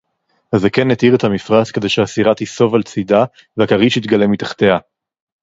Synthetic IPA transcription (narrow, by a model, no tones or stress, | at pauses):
azekenːet̪iʁet̪hamifʁat͡skede̞jʃeasiʁat̪iso̞valt͡sid̪a | veakaʁiʃit̪ɡalemit̪ḁχt̪ea